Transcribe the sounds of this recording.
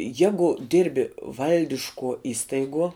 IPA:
ˈjæːɡʊ ˈdʲɪrʲbʲɪ ˈʋɐlʲdʲɪʃkuɔ ˈɪstɐɪɡuɔ

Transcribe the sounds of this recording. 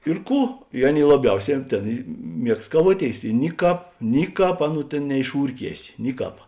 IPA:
ɪr ˈkuː ɪ ˈɑːˌnʲeːɪ lˠɐˈbʲɛʊˌsʲɛː ɐn ˈtʲeːn ɪ ˈmʲiɛkst kɐˈʋuɔˌtʲeːɪs ɪ ˈnʲɪˌkɑːp ˈnʲɪˌkɑːp ˈɑːˌnuː ˈtʲeːn nʲɛɪʃˈuːrʲˌkʲiɛsʲɪ ˈnʲɪˌkɑːp

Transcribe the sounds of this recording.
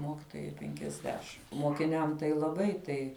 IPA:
ˈmoːkʲɪtoːjɛɪ pʲɛŋʲkʲɛzʲˈdʲæːʃʲɪm moːkʲɪˈnʲɛm tɐɪ lˠɐˈbɐɪ tɐɪ

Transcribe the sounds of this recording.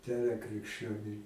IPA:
ˈdʲæːrɐ krʲɪkʃʲˈt͡ʃʲoːnʲʊɪ

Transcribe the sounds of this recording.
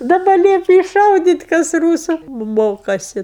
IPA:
dɐˈbɐ ˈlʲiɛpʲɪ ɪʃʃɐʊdʲiːtʲ kɐs ˈruːsʊ m ˈmoːkɐsʲɪ

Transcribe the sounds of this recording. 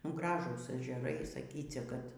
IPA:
ˈɡrɑːʒuːs ɛʒʲɛˈrɐɪ sɐˈkʲiːt͡sʲɛ kɐt

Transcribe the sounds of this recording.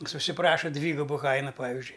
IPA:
jɪs ʊʃʲsʲɪˈprɑːʃɐ ˈdʲʋʲiːɡʊbʊ ˈkɐɪnɐ ˈpɑːʋʲɪzʲd͡ʒʲʊɪ

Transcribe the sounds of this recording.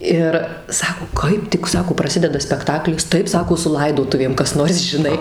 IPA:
ˈɪr ˈsɑːkoː ˈkɐɪp tʲɪk ˈsɑːkoː prɐˈsʲɪdʲɛdɐ sʲpʲɛkˈtɑːklʲɪs ˈtɐɪp ˈsɑːkoː sʊ ˈlˠɐɪdoːtʊʋʲeːm kɐs ˈnoːrs ʒʲɪˈnɐɪ

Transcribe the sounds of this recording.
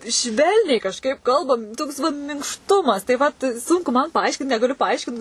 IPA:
ˈʃʲʋʲɛlʲnʲɛɪ kɐʃˈkɐɪp ˈkɐlˠbɐm ˈtoːks ˈʋɐt mʲɪŋkʃˈtʊmɐs tɐɪ ˈʋɐt ˈsʊŋkʊ mɐn pɐˈɐɪʃʲkʲɪnt nʲɛɡɐˈlʲʊ pɐˈɐɪʃʲkʲɪnt

